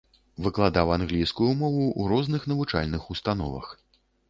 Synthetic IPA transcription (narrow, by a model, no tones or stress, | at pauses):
vɨklˠad̪awanɣlʲijskujumɔvuuɾɔznɨxnɐvut͡ʂa̰lʲnɨxust̪anɔ̰vɐ̰x